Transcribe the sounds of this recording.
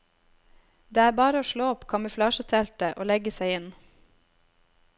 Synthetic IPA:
d̪eːæːbɑːɾəoːʃloːɔpkʰɑməflɑːʃət̪ʰɛlt̪əʔoːlɛɡəsæɪɪn

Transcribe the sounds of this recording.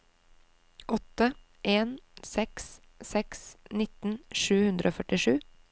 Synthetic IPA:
ʔɔt̪ə | ʔeːnsɛks | sɛksnɪt̪n̩ʃʉːhʉnd̪ɾʔoːfœʈɪʃʉː

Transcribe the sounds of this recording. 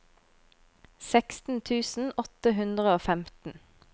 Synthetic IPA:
sɛkst̪n̩t̪ʰʉːsn̩ɔt̪əɦʉnd̪ʁəoːfɛmt̪n̩

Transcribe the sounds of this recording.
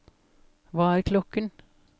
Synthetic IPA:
ʋɑːæɾkʰlɔkən

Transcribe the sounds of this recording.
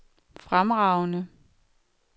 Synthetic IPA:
fʁamʁɑ̈ʊnə

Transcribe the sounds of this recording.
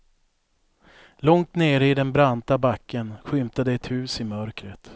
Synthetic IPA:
lɔŋt̪neːɾəɪd̪ɛnbɾant̪abakʰːənɧʏmt̪ad̪əɛt̪hʉ̟ːsɪmœɾkɾət̪

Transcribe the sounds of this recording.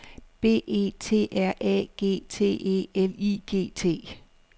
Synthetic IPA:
b̥e̝̰ːe̝̰ːt͡sʰe̝̰ːʔæɐ̰ʔɛ̰ɡ̥e̝̰ːt͡sʰe̝̰ːe̝̰eliɡ̥e̝̰ːt͡sʰe̝̰ː

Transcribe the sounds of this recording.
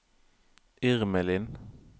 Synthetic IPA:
ʔɪʁməlɪn

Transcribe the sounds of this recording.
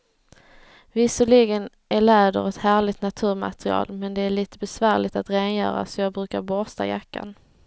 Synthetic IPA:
vɪsəɭiɡən | ʔæɭɛːd̪ə̰ɾɛt̪hæːɭɪt̪nat̪ʰʉ̟ːɾma̰t̪ɾɪɑ̰ːlmɛnd̪ɛæɭiːt̪əbɛsvæːɭɪt̪at̪ɾeːnjœ̰ːɾa̰sɔjɑːɡ̚bɾʉ̟ːkaɾbɔɾst̪a̰jakːa̰n

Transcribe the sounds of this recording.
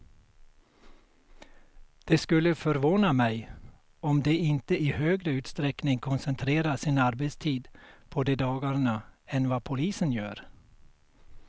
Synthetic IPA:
d̪̥ɛskɵlːəfœɾvoːnamɛj | ɔmd̪ɛɪnt̪əʔɪhøːɡɾəʉ̟ːt̪st̪ɾɛknɪŋkʰɔnsɛnt̪ʰɾeːɾasɪnaɾbɛt̪st̪ʰiːd̪pʰɔd̪ɛd̪ɑːɡaɾɳaɛnvapʰʊliːsənjœːɾ

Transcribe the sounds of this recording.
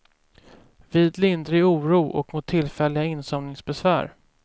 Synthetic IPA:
viːd̪lɪnd̪ɾɪuːɾuːʔɔ̰kmʊt̪ʰːɪlfɛlːɪɡaɪnsɔmnɪŋsbɛsvæ̰ːɾ

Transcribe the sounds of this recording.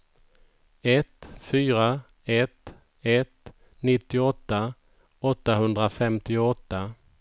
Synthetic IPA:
ɛt̪fyːɾa | ɛt̪ | ɛt̪ | nɪt̪ːɪɔt̪ːa | ɔt̪ːaɦɵnd̪ɾafɛmt̪ɪɔt̪ːa

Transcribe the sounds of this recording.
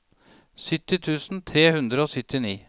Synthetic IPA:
sʏt̪ːɪt̪ʰʉːsn̩t̪ʰɾeːhʉnd̪ɾəoːsʏt̪ɪniː

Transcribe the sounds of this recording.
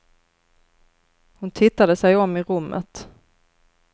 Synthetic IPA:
hʊnt̪ʰɪt̪ːad̪əsɛjɔmːɪɾɵmːʔə̰t̪

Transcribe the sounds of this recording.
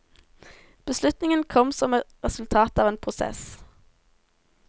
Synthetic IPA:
b̥əslʉt̪nɪŋənkʰɔmsɔmʁɛsʉlt̪ʰɑːt̪ɑːʋeːnpʰʁʊsɛ̰s

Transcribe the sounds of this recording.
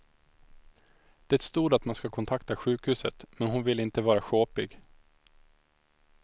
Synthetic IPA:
d̪̥ɛːt̪st̪uːɖat̪manskakʰɔnt̪ʰakt̪aɧʉ̟ːkhʉ̟ːsət̪mɛnhʊnvɪlɪnt̪əvɑːɾaɧoːpɪɡ

